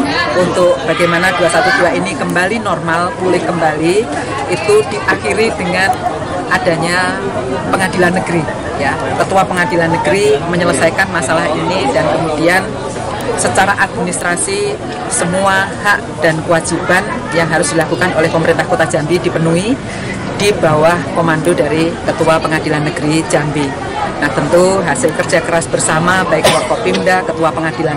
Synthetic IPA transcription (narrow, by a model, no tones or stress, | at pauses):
unt̪ʊk̚b̥aɡajmanaduasat̪uduainikəmbalinɔrmalt̪ulɪhkəmbali | it̪ud̥iʔaxiɾid̥əŋan | ad̥aɲa | pəŋadilanːəɡ̥əɾi | ja | k̪ət̪uapəŋadilanːəɡɾiməɲələsajkanmasalaɦinidankəmud̥ian | sət͡ʃaɾaʔad̚minist̪ɾasi | səmuahaʔd̥ankəwad͡ʒiban | jaŋɦaɾʊsd̥ilakukanolɛhpəməɾint̪ahkot̪ad͡ʒ̥ambidipənui | d̥ibawahkomandodaɾikət̪uapəŋad̥ilanːəɡ̥əɾid͡ʒambi | naht̪ənt̪uɦasɪlkərd͡ʒakəɾasb̥ərsamabaɪk̚waʔfapindakət̪uapəŋad̥ilan